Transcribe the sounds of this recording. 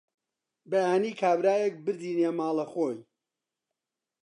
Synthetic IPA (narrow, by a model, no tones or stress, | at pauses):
bɐjaːniːkʰaːbɾaːjek̚bɨɾd̪iːnjemaːlˠɐxoːj